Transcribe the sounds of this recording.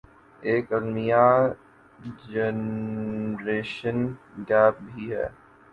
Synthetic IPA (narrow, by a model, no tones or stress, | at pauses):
eːkɐnmija | d͡ʒɛn | ɾeːʃə̃nɡɛːp̚bʱiɦɛ̰ː